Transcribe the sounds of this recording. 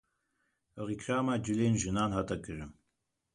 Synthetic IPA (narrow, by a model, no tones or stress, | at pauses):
əʁikʰraːmad͡ʒɨleːnʒɨnaːnɦat̪ʰʼɐkʰʼɨrɨm